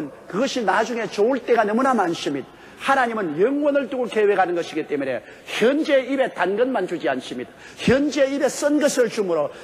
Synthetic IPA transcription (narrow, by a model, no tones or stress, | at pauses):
nkɯɡʌɕʰinad͡ʑuŋe̞t͡ɕouɭt͈e̞ɡanʌmunamanɕʰimid̚ | hanaɲimɯnjʌŋwʌnɯɭtuɡoke̞we̞ɡhanɯnɡʌɕʰiɡit͈e̞mune̞̰ | çjʌnd͡ʑe̞ibe̞tanɡʌnmand͡ʑud͡ʑianɕʰimid | çjʌnd͡ʑe̞ibe̞s͈ʌnɡʌsʰɯɭt͡ɕumɯɾo